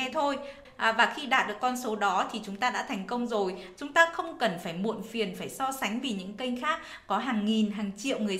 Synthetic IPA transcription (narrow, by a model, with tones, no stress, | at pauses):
ɛ˧t̪ʰo˧j | ʔvaː˨˩xi˧ɗa̰ː˧˨˩t̚ɗɨ˨˩əkːɔ˧nso˨˦ɗɔ˨˦t̪ʰi˨˩t͡ɕʊ˨˦ŋ͡mt̪aː˧ɗa̰ː˧˥t̪ʰɛ˨˩jŋ̟kə˧wŋ͡mzo˨˩jt͡ɕʊ˨˦ŋ͡mt̪aː˧xə˧wŋ͡mkə˨˩nfaː˧˩jmṵ˧˨nfi˨˩ənfaː˧˩jsɔ˧sa˨˦ŋ̟vi˨˩ɲɨ̰˧˥ŋkə˧jŋ̟xaː˦˥k̚ːɔ˨˦ɦaː˨˩ŋːi˨˩nɦaː˨˩ŋt͡ɕḭ˧˨əwŋɨ˨˩ə